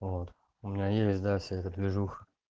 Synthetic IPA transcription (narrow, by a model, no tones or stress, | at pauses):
vot̪ | ʊmʲɪnʲajesʲt̚ʲd̪afsʲaɛt̪ət̪lʲɪʐux